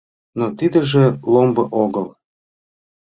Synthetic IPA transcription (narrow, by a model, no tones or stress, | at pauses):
not̪id̪ə̆ʒĕlombɤʔoɣəl